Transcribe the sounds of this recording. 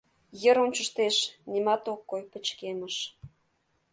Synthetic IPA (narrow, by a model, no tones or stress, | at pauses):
jə̆ɾunʲt͡ɕə̆ʃt̪eʃnʲimɑt̪okːojpə̆t͡ɕkemə̆ʃ